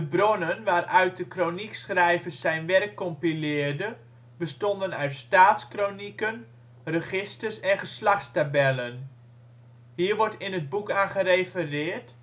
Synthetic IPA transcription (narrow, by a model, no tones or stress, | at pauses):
dəbronənʋaːrœɥt̚dəkroniksχrɛjvəsɛjnʋɛrkːɔmpilɪːrdə | bəstɔndənœɥtstaːtskronikən | rəχɪstəsɛnχəslɑχtstabɛlən | ɦiːɹʋɔɹtɪnəd̚bukaːnχəɾefərɪːrt